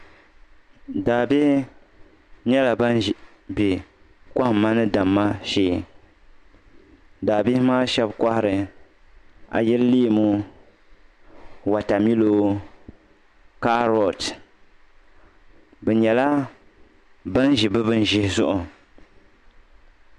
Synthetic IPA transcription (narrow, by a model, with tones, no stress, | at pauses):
daː˨bi˦h | ɲɛ˦la˨ba˦n˨ | bɛ˨ | ka˦hmːa˦nɨ˦da˨mːa˦ʃeː˦ | daː˨bi˦hmaː˦ʃɛ˦bka˦hɪ˦ɾɨ˨ | a̰˨jɛ˦lli˦˨mu˦ | wa˨ta˨mi˦lo˦ | ka˦ɾɔ˨t | bɛ˨ɲɛ˨la˦ | ba˦n˦ʒi˨bɨ˦bɨ˦n˦ʒɪ˦hɪ˨zʊ˦ʔʊ˨